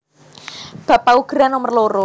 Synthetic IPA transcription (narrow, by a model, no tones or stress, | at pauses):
b̥a̤pauɡ̥ɾanomərloɾo